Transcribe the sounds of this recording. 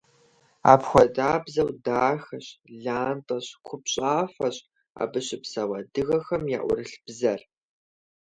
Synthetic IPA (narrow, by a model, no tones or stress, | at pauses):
a̰ːpxʷɔdaːbzɐwdaːxɐɕɮaːntʼɐɕkʷʰʊpɕʼaːfɐɕʼ | a̰ːbɨɕɪpsɐwɐdɨɣɐxɐmja̰ːʔʷʊ̰rɨɬb̥zɐr